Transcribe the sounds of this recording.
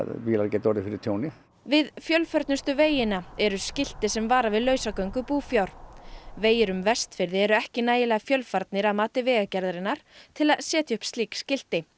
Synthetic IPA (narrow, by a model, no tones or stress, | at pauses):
iːlaɾcɛːt̪ɔɾðɪfɪɾɪɾt̪ʰjoːwnɪ | vɪðfjœlfœɾt̪nʏst̪ʏveːjɪnaɛɾʏscɪl̥t̪ɪsɛmvaːɾavɪðlœːɥsakœɥŋkʏpuːfjawɾ̥veːjɪɾʏmvɛst̪fɪɾðɪɛɾʏɛhcɪnaːjɪlaɣfjœlfaɾt̪nɪɾaðmaːt̪ɪvɛːɣacɛɾðɾɪnːaɾ̥t̪ʰɪlaðsɛːt̪jʏhpst̪liːkscɪl̥t̪ɪ